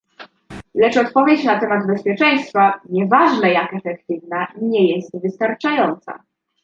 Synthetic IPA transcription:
lɛt͡ʂɔt̪pɔvʲjɛt͡ɕnat̪ɛmad̪bɛspʲjɛt͡ʂɛj̃st̪faɲɛvaʐnajakɛfɛkt̪ɘvnaɲɛjɛst̪vɘst̪aɾt͡ʂajɔnt̪sa̰

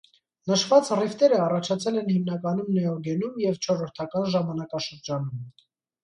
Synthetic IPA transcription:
nəʃvɑt͡srift̪ɛɾəɑrɑt͡ʃʰɑt͡sʰɛlɛnhimnɑkɑnumnɛɔɡɛnumjɛvt͡ʃʰɔɾɔɾt̪ʰɑkɑnʒɑmɑnɑkɑʃəɾd͡ʒɑnum

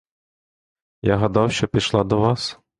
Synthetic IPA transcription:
jaɦɐd̪ɑwɕɔpʲiʃlˠɑd̪ɔʋɑs

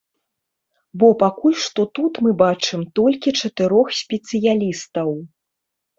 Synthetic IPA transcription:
bɔpakulʲʂt̪ɔt̪ut̪mɨbat͡ʂɨmt̪ɔlʲkʲit͡ʂɐt̪ɨɾɔxsʲpʲɛt̪sɨjalʲist̪ɐw

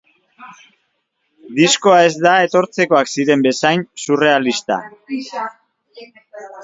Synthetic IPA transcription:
d̪isko̞ae̞zd̪ae̞t̪o̞ɾt͡se̞ko̞aksiɾe̞mbe̞sajnsure̞alist̪a̰

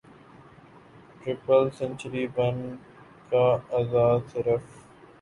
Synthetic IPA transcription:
ʈɾɪpəlsə̃nt͡ʃɾiːbən | kaɐzaːsɪɾəf

